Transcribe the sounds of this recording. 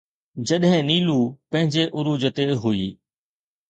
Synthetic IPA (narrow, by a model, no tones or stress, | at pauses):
d͡ʑɐɗɦɪ̃niːlupɐ̃ɦɪ̃ɲd͡ʑeʔʊɾuːd͡ʑət̪eɦʊiː